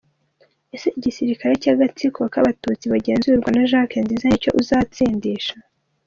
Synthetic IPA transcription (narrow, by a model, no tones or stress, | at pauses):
ese̞ʔiɟisiɾikaɾe̞caɡat͡sikuβakaβatut͡siβaɟe̞ːnzuɾɡwanaʒakenziːzaicoʔuzaːt͡siːndiʃa